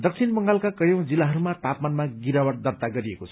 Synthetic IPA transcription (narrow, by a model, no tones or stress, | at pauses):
d̪ʌk̚sʰinbʌŋɡalkakʌjʌ̃w̃d͡zilːaɦʌɾumat̪apmanmaɡiɾawʌʈd̪ʌrt̪aɡʌɾiekot͡sʰʌ